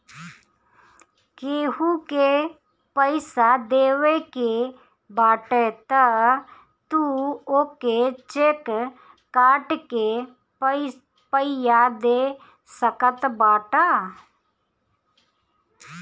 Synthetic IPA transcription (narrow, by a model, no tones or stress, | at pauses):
keːɦuke | pəɪsad̪eːweke | baːʈet̪ə | t̪uoːket͡ʃeːkː | aːʈke | pəɪjad̪e | səkət̪baːʈaː